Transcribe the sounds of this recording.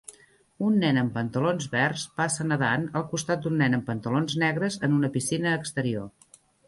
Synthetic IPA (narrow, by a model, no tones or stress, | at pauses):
unːɛnəmpənt̪əlonzβɛrspasənəðanəlˠkust̪at̪̚d̪unːɛnəmpənt̪əlonznɛɣɾəzənunəpisinəːkst̪əɾio